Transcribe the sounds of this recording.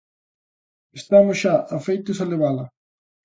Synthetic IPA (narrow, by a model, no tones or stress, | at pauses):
est̪amʊsʃaʔafejt̪ʊsaleβalɐ